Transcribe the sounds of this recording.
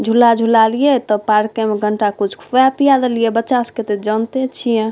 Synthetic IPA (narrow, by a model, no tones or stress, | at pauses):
d͡ʒʱulad͡ʒʱulalijet̪ɔpaɾkemeɡʱəɳʈakut͡ʃʰkʰapijad̪eliebətːt͡ʃasket̪ed͡ʒənt̪et͡ʃʰijẽ